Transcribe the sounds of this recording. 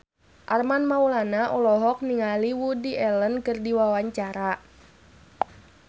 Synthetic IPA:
ʔarmanmaulanaʔɔlɔɦɔk̚niŋaliwudiʔɛlənkɨrdiwawaɲt͡ʃaɾa

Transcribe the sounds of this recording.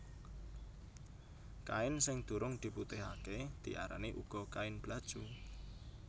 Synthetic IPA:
kaɪnsɪŋd̪̥ṳɾʊŋd̪̥i̤put̪ɪɦaked̪̥i̤ʔaɾa̰niʔuɡ̥ɔ̤kaɪnb̥lad̥ʒ̥u

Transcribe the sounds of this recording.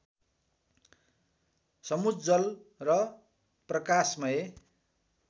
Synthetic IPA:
sʌmudd͡zʌlrʌ | prʌkasmʌe

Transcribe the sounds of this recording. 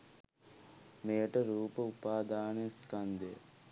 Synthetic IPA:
meːʈɐɾuːpɐupaːd̪aːneskɐnd̪ḛ

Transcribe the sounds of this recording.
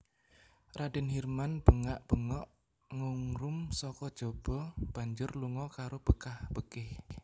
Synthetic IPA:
radɛnhirmanb̥əŋaʔb̥əŋɔʔ | ŋuŋɾʊmsɔkɔd̥ʒ̥ob̥ɔb̥a̤ɲd͡ʒʊrluŋɔkaɾob̥əkahb̥əkɪh

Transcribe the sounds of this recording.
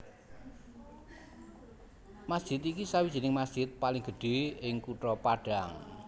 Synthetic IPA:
masʒ̥ɪt̪ikisawidd͡ʒ̥i̤nɪŋmasʒ̥ɪt̪̚palɪŋɡ̥əɖ̥e̤ɪŋkuʈɾɔpaɖ̥a̤ŋ

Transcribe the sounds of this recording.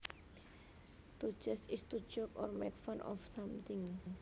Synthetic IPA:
t̪u̥ʒ̥ɛsist̪u̥ʒ̥ɔkɔ̰rmɛ̰kfanʔɔ̰fsamt̪ɪŋ

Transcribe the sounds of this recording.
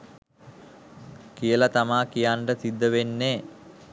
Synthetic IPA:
kijəlat̪amaːkijaːɳɖət̪id̪ːəʋenːe

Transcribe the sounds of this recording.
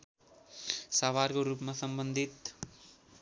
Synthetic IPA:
sawarkoɾupmasʌmbʌnd̪ʱit̪

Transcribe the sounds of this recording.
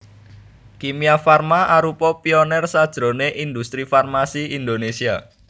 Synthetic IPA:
kimiafarmaʔaɾupɔpiɔnɛrsad̥ʒ̥ɾo̤neʔind̪ust̪ɾifarmasiind̪onesia

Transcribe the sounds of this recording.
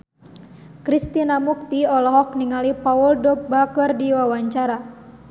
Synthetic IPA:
kɾist̪inamuk̚t̪iɔlɔɦɔk̚niŋalipauldɔbakərdiwawaɲt͡ʃaɾa

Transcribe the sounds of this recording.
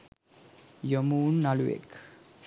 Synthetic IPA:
jomuːnːaluḛk

